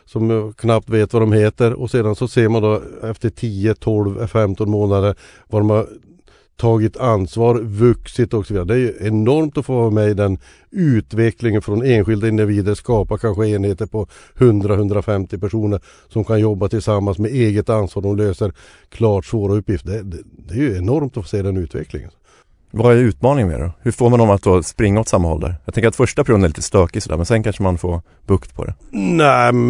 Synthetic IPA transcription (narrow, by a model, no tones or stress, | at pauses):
sɔmjɑkʰnap̚t̪veːt̪vad̪ɔmheːt̪əɾɔ̰seːd̪ansɔseːmand̪ɔɛft̪əʈʰiːət̪ʰɔlvɛ̰fɛmt̪ɔnmoːnad̪əɾ | vaɖɔmhaɾ | t̪ʰɑːɡɪt̪ʰansvɑːɾvɵksɪt̪ɔksɔviːd̪aɾəd̪ɛæjɵɛnɔɾmt̪ɔfoːmɛjd̪ɛn | ʉ̟ːt̪vɛklɪŋənfɾɔneːnɧɪld̪aɪnd̪ɪviːd̪əɾskɑːpakʰanɧəeːnheːt̪əɾpʰɔhɵnd̪ɾahɵnd̪ɾafɛmt̪ɪpæʂuːnəɾ | sɔmkʰanjɔbːat̪ʰɪlsamːansmɛeːɡət̪ansɑːɾɖɔmløːsəɾ | kʰlɑːʈsvoːɾaɵpːjɪft̪̚d̪ɛd̪ɛd̪ɛɾjɵɛnɔɾmt̪ɔfoːseːd̪ɛnʉ̟ːt̪vɛ̰klɪ̰ŋə̰n | vaɛɾʉ̟ːt̪mɑːnɪŋmḛːɖɔ̰hɵfoːɾmand̪ɔmat̪̚d̪oːspɾɪŋːaɔt̪samːanhɔ̰ld̪æ̰ːɾjɑɡ̪t̪ɛŋkəɾat̪fœʂʈapʰɾʂuːnɛɾliːt̪ə̥st̪øːkɪsɔd̪æ̰ɾmɛnsɛnkʰanʂəmanfo̰ː | bɵkt̪pʰɔ̰d̪ɛ̰næ